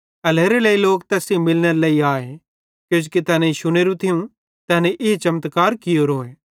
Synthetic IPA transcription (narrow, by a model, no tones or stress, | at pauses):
ɐleːɾeləiloːkt̪ɛːsimɪlneɾelɐiaːe | kjoːd͡ʒkit̪ɛːnẽʃʊɽ̃eːɾũt̪ʰɪjũ | t̪ɛːneʔɪt͡ʃɐmət̪kaːɾkɪjoɾoːeː